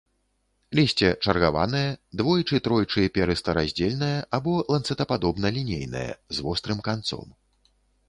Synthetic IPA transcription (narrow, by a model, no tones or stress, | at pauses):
lʲisʲt͡sʲɛt͡ʂɐrɣava̰nɐjɛd̪vɔjit͡ʂɨt̪ɾɔjt͡ʂɨpʲɛɾɨst̪ɐɾazʲd͡zʲelʲnɐjɐʔabɔlˠant̪sɛt̪ɐpad̪ɔbnɐlʲinʲejnɐ̰jɛ̰zvɔst̪ɾɨmkant̪sɔ̰m